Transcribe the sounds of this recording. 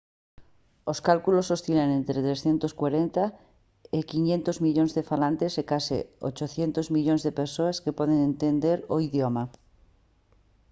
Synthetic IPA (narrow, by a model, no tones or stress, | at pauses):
oskalkulosost̪ilanẽnt̪ɾet̪ɾesθjent̪oskwaɾent̪a | ekiɲẽnt̪ozmiʎonzðefalãnt̪esekasḭo̰t͡ʃoθjent̪ozmiʎonzðepeɾsoaskepoð̞eŋẽnt̪end̪eɾoiðjoma